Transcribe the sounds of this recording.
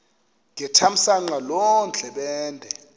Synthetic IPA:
ŋɛtʰam̩saŋ͡ǀalɔnd͡ɮʱɛɓɛːndʱɛ

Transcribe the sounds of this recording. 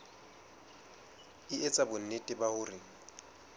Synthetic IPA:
ɪet͡sʼabʊn̩netʼɪbahʊːrɪ

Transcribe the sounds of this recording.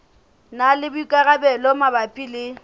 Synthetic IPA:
nalɪbʊikʼaɣabɛlɔmabapʼilɪ

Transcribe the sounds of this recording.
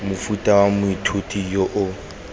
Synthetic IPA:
mʊfutʼawamʊitʰutʰʼijoʔʊ

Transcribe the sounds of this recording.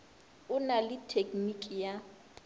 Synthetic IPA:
ʊnalɪtʰekʼnikʼija

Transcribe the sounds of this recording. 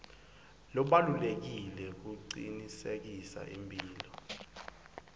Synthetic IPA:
lɔɓalulek̬ilɛk̬uǀinisek̬isa̰ʔimbʱiːlɔ

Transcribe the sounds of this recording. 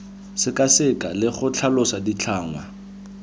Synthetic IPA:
sɪkasɪkʼalɪχʊt͡ɬʰalʊsadit͡ɬʰaːŋwa̰

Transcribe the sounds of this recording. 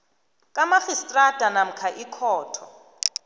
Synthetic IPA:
kʼamaχistʼrad̥ʱanam̩kʰaʔikʰɔːtʰɔ

